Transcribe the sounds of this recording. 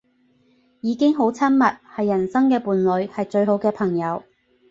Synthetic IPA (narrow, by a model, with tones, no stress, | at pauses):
jiː˨˧kɪ˥ŋɦo˨˥wt͡sʰɐ˥nmɐ˨t̚hɐ˨jːɐ˨˩nsɐ˥ŋkɛː˧puː˨nlɵ˨˧ɥhɐ˨jt͡ʃɵ˧ɥɦo˨˥wkɛː˧pʰɐ˨˩ŋjɐ˨˧w